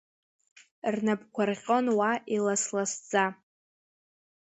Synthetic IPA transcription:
rnapkʷʰarʁʲʼo̞nwaʔilaslasd͡za

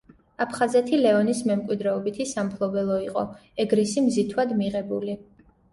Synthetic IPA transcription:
apʰχazɛt̪ʰilɛɔnismɛmkʼwid̪ɾɛɔbit̪ʰisampʰlˠɔbɛlˠɔiqʼɔ̰ɛɡɾisimzit̪ʰwad̪miʁɛbuli

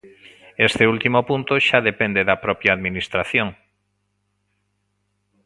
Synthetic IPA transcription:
est̪eult̪imopunt̪oʃaðepend̪eðapɾɔpjaːðminist̪ɾaθjoŋ

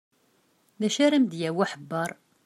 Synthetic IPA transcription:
ðæʃæɾəmd̪jæwæħəbːɑɾˤ

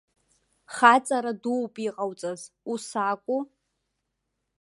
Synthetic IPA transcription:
χat͡sʼaɾaduwpʼiqʼawt͡sʼazusakʷʼu

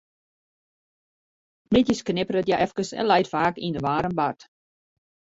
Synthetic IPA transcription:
mɪtjəsknɪpəɾətjaʔɛfkəsɛ̰nlɛjtfaːkindəʋaːɾəmbart

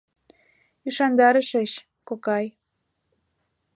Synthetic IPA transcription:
yʃɑnd̪ɑɾəʃeɕ | kokɑj

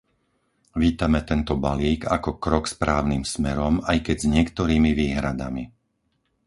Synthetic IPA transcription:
ʋiːt̪amɛt̪ɛnt̪ɔbaliːɡakɔkɾɔkspɾaːʊniːmsmɛɾɔmajkɛɟzɲɪɛkt̪ɔɾiːmiʋiːɦɾad̪a̰mi

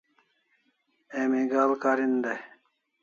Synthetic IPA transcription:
eːmiɡaːlkaːɾind̪ɐ

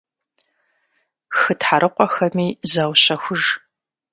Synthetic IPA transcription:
xɨtħaɾʔɨqʷɔxɐmiːzawɕɐxʷʊʒ

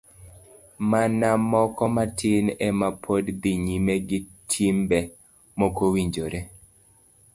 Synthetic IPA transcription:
manamɔkɔmatʰɪnɛmapʰodd̪iɲimeɡɪtʰimbɛ | mokowiɲd͡ʒoɾe

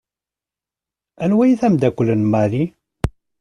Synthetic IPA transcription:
ænwæjθæmd̪ækʷːəlːənmaɾi

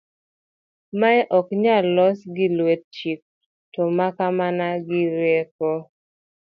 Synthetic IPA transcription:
maɛʔɔkɲalɔsɡɪlwet̚t͡ʃik̚ | tɔmakamanaɡɪɾjekɔ

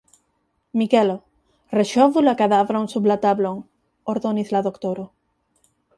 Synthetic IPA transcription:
mikelo | reʃɔβulakaðaβɾauŋsuβlat̪aβloŋ | oɾðoniθlaðokt̪oɾo

